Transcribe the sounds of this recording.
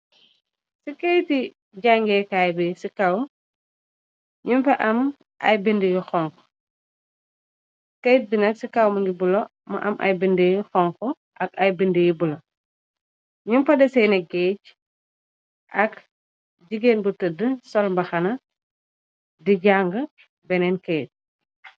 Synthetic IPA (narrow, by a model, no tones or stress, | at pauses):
sikɐjti | ɟaŋɡɛːkaːjbɛsikɐw | ɲumfɐʔɐm | ʔɐ̰jbindiɡixɔŋkɔ̥ | kɐjt̚binɐksikɐwmɐŋɡibulo | mɐ̰ʔɐ̰mʔɐ̰jbindijixɔŋkɔ | ʔɐkɐjbindiɡibulo | ɲumfɐdɛsɛjnɛɡɛc̚ | ʔɐk | ɟiɡeːnbutədəsɔlmbɐxɐnɐ | diɟaŋɡə | bɛnɛnkɐjt̚